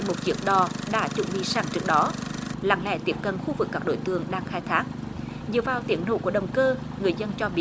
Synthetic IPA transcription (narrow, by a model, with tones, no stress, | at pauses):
mo˨˩t̚t͡ɕɨ˦˥ək̚ɗɔ˨˩ɗa̰ː˧˥t͡ɕʊ̰˧˩ŋ͡mɓḭ˧saː˧˩ŋt͡ɕɨ˦˥ək̚ɗɔ˨˦la̰ː˧˩ŋlɛ̰˧˩jt̪i˦˥əp̚kə˨˩nxu˧vɨ˨˩kːaː˦˥k̚ɗo̰˧˩jt̪ɨ̰˧˨əŋɗaː˧ŋxaː˧jt̪ʰaː˦˥k̚ | zɨ̰˨əvaː˨˩wt̪ḭ˨˦ənho̰˧˨˩ku˧˩əɗə˨˩wŋ͡mkəː˧ | ŋɨ˨˩əjzə˧nt͡ɕɔ˧ɓi˦˥